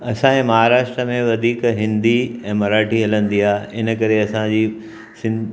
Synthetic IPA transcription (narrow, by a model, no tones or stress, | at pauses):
ɐsãẽmɐɦaːɾaːʃʈɾəmẽʋɐd̪ʱiːkɦɪ̃nd̪iɛ̃ːmɐɾaːʈʰiɦɐlə̃nd̪iaːɦɪnə̆kɐɾeɐsãd͡ʑiː | sɪ̃n